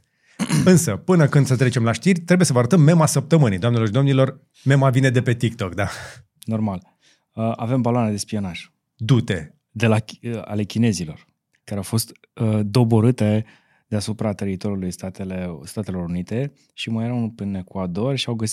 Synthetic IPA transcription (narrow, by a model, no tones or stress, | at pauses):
ɨnsəpɨnəkɨnd̪sət̪ɾet͡ʃemlaʃt̪irʲt̪ɾebujesəvəaɾət̪əmːe̞masəp̚t̪əmɨnijd̪oamnelorʃid̪omnilo̞r | me̞mavine̞d̪e̞pe̞t̪ik̚t̪o̞kd̪a | no̞rmal | əʔave̞mbaloaned̪e̞spio̞naʒ̥ | d̪ut̪e̞ | d̪e̞laa̰le̞kʲine̞zilo̞r | kaɾeawfo̞st̪ | əd̪o̞bo̞ɾɨt̪e̞ | d̪easupɾat̪e̞ɾit̪o̞ɾjulujst̪at̪elest̪at̪e̞lo̞ɾunit̪e̞ | ʃimajeɾaunpene̞kwad̪o̞rʲʃiawɡəsi